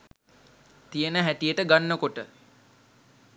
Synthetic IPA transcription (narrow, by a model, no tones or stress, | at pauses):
t̪ijənəɦæʈijəʈəɡanːəkoʈə